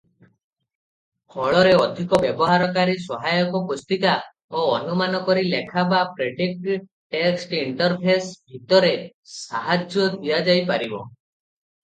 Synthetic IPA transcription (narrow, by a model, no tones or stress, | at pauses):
kʰɔɭɔɾeɔd̪ʱikɔbjɔbɔɦaɾɔkaɾisɔɦajɔkɔpust̪ik̪a | oːnumanɔkɔɾilekʰabapɾeɖik̚ʈ | ʈeksʈiɳʈɔɾpʰesbʱit̪ɔɾe | saɦad͡ʒjɔd̪ʱiad͡ʒajpaɾibɔ̰